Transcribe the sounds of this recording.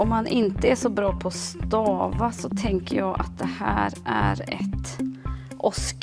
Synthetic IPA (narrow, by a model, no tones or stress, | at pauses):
ɔmːanʔɪnt̪əæʂɔbɾɑːpʰɔst̪ɑːvasɔt̪ʰɛŋkəɾjɑːɡʔa̰t̪̚d̪ɛhæ̰ːɾæ̰ɾɛ̰t̪ | ʔɔsk